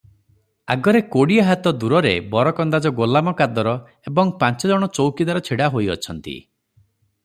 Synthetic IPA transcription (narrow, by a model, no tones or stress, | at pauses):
a̰ɡɔɾekoɽiaɦat̪ɔd̪uɾɔɾḛbɔɾɔkɔnd̪ad͡ʒɔɡolamɔkad̪ɔɾɔ | ebɔŋpãnt͡ʃɔd͡ʒɔɽ̃ɔt͡ʃowkid̪aɾɔt͡ʃʰiɽaɦojɔ̰t͡ʃʰɔnt̪ḭ